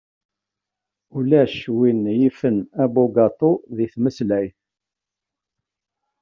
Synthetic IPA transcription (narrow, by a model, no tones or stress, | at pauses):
ulæʃwinjifənæboɡɑt̪ˤoðiθməslæj